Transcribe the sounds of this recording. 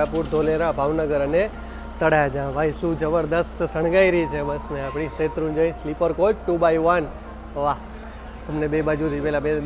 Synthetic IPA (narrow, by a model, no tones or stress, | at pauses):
apuɾd̪ʱoleɾabʱaʋnəɡəɾəne | t̪əɽajad͡ʒãʋaːisud͡ʒəbəɾd̪əst̪səɽ̃ɡaiɾit͡ʃʰebəsneaːpɽ̃iset̪ɾũnd͡ʒə̃ĩslipəɾkoːt͡ʃʈubaiʋən | ʋa | t̪əmnebebaːd͡ʒut̪ʰipɛlabe